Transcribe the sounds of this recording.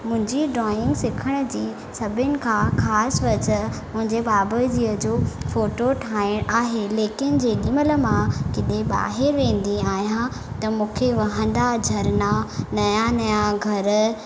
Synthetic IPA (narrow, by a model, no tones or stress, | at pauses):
mʊ̃ɦɪ̃ɲd͡ʑiɖɾɔːɪ̃ŋɡsɪkʰəɽ̃əd͡ʑiː | sɐbʱɪnɪ̆kʰãxaːsʋɐt͡ɕəmʊ̃ɦɪ̃ɲd͡ʑebaːbəd͡ʑiːəd͡ʑoːfoːʈoʈʰaːɪɽ̃aːɦeleːkɪnɪ̆d͡ʑeːɠɪmələ̆mãkɪɗeɓa̰ːɦɪɾʋẽːn̆d̪iaːɦijã | t̪ɐmũːkʰeʋɐɦə̃n̆d̪ad͡ʑʱɐɾnanɐjanɐjãɡʱɐɾ